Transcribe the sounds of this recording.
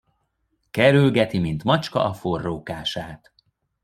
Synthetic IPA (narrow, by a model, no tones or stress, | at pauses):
kɛɾylɡɛt̪imint̪mɒt͡ʃkɒ̰ʔɒfo̞rːoːkaːʃaːt̪